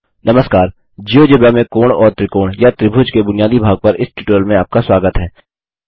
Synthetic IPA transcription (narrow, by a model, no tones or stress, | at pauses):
nɐməskaːɾ | d͡ʒijod͡ʒeːbjamẽkoːɽ̃ɔːɾt̪ɾɪkoːɽ̃jat̪ɾɪbʱʊd͡ʒkebʊnijaːd̪ibʱaːɡ̚pɐɾɪsʈɪʈəlmẽaːp̚kaswaːɡət̪ɦɛː